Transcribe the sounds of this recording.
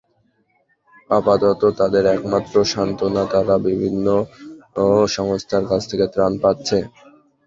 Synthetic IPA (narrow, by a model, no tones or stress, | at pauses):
apat̪ot̪ot̪ad̪eɾɛkmat̪ːɾoʃant̪onat̪aɾabibʱinːo | ʃɔŋost̪ʰaɾkat͡ɕʰt̪ʰeket̪ɾanpatːɕʰe